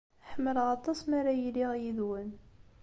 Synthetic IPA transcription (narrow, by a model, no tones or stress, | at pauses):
ħəmːəlʁɑt̪ˤɑsmaɾajiliʁjiðwən